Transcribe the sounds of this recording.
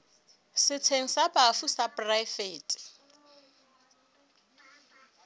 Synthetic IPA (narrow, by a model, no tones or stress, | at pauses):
sɪt͡sʰeŋ̩sabafusapʼraɪfeːtʼɪ̥